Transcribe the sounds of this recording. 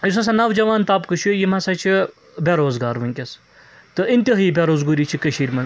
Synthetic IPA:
jisɐs̬anɐʋd͡ʒɐʋaːnt̪aːpkɨʃjujimɐsɐt͡ʃʰi | bʲeɾoːzɡaːɾʋɐŋʲkʲɐs | t̪ɨʔinʲt̪ʲiɦiːbʲeɾoːzɡuɾiːt͡ʃʰikəʃiːɾʲmɐn

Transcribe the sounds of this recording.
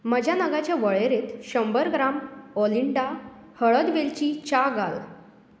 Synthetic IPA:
məd͡ʑʱjanəɡat͡ɕjaʋəɭeɾet̪ɕəmbəɾɡɾamɔliɳɖahəɭəd̪ʋelt͡ɕiːt͡ɕaɡa̰l

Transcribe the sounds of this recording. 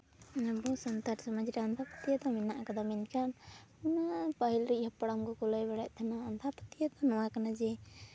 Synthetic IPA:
abɔsɔnt̪aɾsɔmad͡ʒiɾɛant̪ʰapə̥t̪ijad̪ɔminaʔkɔd̪aminkanunapaɦilɾihapaɽamkɔkɔləjbɛɽaʔ̚ˀt̪ʰanaːnt̪ʰapə̥t̪ijad̪ɔnɔwakanad͡ʒɛ

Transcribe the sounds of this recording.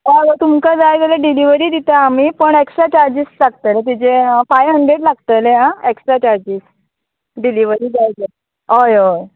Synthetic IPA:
ʋaɡət̪umkad͡zajd͡zəleɖiliʋəɾiːd̪it̪aːm̤iːpəɳeksʈɾat͡ɕaɾd͡ʑissaɡt̪əlet̪̬it͡sefajɦəɳɖɾeʈlaɡt̪əleɦãeksʈɾat͡ɕaɾd͡ʑiːs | ɖiliʋəɾiːd͡zajd͡ze | ɦojoj

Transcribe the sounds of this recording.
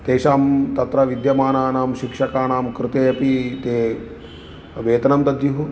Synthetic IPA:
t̪eːʃaːmt̪ɐt̪ɾɐʋid̪jɐmaːnaːnaːmʃikʂɐkaːnaːmkɾɪt̪eːɐpit̪eː | ʋeːt̪ɐnɐmt̪ɐd̪ʱjuɦu

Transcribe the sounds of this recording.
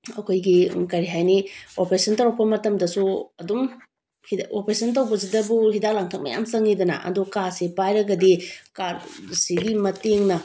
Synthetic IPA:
ɐkʰojɡikɐɾiɦajniopɾesʰɐntɐɾawpɐmɐtɐmdɐsuɐdum | hiopɾesʰɐntɐwbɐsidɐbuɦidalaŋtʰɐk̚mɐ̰ja̰msɐŋidɐnɐ̰ʔɐ̰dukasepajɾɐɡɐdikaɾsiɡimɐteŋnɐ

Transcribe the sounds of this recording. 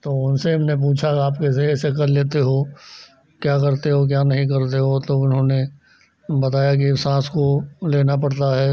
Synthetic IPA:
t̪oːʊnseɦɐmnep̬uːt͡ʃʰaaːpkeseɛsekɐɾleːt̪eɦo | kjaːk̬ɐɾt̪eɦok̬jaːnɐɦĩk̬ɐɾt̪eɦot̪oʊnɦõne | bɐt̪aːjak̬iɪsãːskoleːnapɐɽt̪aɦɛː

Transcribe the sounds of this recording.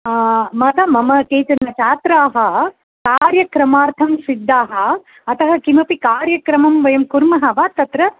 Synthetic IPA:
mɐt̪ɐmɐmɐkeːt͡ʃ̪ɐnːɐt͡ʃaːt̪ɾaːɦɐ̆ | kaːɾjɐkɾɐmaːɾt̪ʰɐmsid̪ʱːaːɦɐ̆ː | t̪ɐɦɐkimɐpikaːɾjɐkɾɐmɐmʋɐjɐmkuɾmɐɦɐʋaːt̪ːɐt̪ɾɐ

